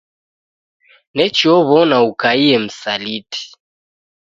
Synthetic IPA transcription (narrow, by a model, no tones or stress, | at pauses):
nɛt͡ʃiɔβɔnaukaiɛm̩saliti̥